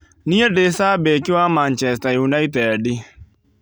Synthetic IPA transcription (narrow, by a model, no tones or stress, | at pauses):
niedesabekɪwamant͡ʃɛstajunaitɛdɪ